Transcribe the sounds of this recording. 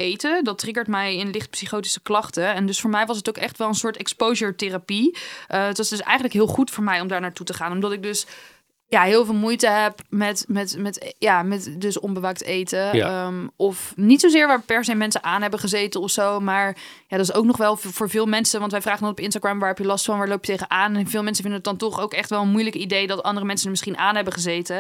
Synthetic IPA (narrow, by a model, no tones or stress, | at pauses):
ejtədɑtrɪɡəɹtmɛjɪnlɪχt̚psiχowti̥səklɑχtəɛndɵsfʊːɹmɛjʋɑs̬ɦətowkɛχtʋɛlˠənsʊːɹtɛkspowʒəɹtɪrapiʔəətsdɵsɛ̰jχənləkɦɪːlˠχutfʊːɹmɛjɔmdaːɹnaːɹtutəχaːnɔmdɑtɪɡ̚dɵs | jaːɦɪːlˠvɪːlˠmujtəɦɛpmɛtmɛtmɛtjaːmɛtdɵsɔmbəʋaːk̚tejtə | ɔfnitsozɪːɹʋaːɹpɛɹsejmɛnsəʔaːnɦɛbəχəzejtəɔfsowmaːɹjaːdɑtɪsowknɔχʋɛlˠvʊːɹvɪːlˠmɛnsəʋɑntʋɛjvraːχəndɑnɔpɪnstaɡramʋaːɹɦɛpjəlɑstfɑnʋaːɹlowpjətejχəʔaːnɛnvɪːlˠmɛnsəvɪndənət̚dɑntɔχowkɛχtʋɛlˠənmujləkidejdɑtɑ̰ndərəmɛnsənəɹmɪsχinʔaːnɦɛbəχəzejtə